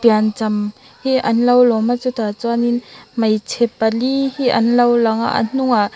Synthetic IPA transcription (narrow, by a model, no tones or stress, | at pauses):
piant͡sɐm | hiʔɐnlɐwlɔmat͡sut̪aːt͡suaninmɐjt͡sʰɛpɐlihiʔɐ̰nlɐwlɐŋa̰ʔɐ̰n̥ʊŋaʔ